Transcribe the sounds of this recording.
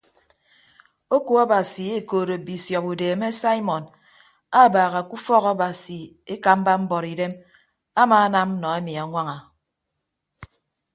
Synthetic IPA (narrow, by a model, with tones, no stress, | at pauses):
o˦ku˦a˦ba˨si˨e˦koː˨ɾo˨bi˨sjɔ˨pu˨deː˨me˦sa˦i˦mɔ˨n | a˦˨baː˨ɣa˨ku˦fɔ˦ɣɔ˦ba˨si˨ | e˦ka˨m̩˦ba˦m̩˦bɔ˨ɾi˨de˦m | a˦maː˨˦na˦m̩˦nɔ˨e˦mi˨a˨˦ŋʷa˦ŋa˨